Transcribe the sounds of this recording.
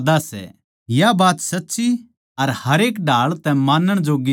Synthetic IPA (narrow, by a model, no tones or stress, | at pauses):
d̪asɛ̰ | jabaːt̪sɐtːʃi | ɐɾhɐɾeːkɖʱaːɭt̪ɛ̃maːnːəɽ̃d͡ʒoːɡi